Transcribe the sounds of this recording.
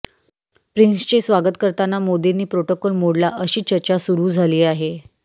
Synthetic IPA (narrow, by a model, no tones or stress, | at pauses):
pɾinst͡ɕesʋaɡət̪kəɾt̪anːamod̪iniːpɾoʈokɔlmoɽlaʔəɕiːt͡ɕəɾt͡ɕasuɾuːd͡zʱaliːaɦe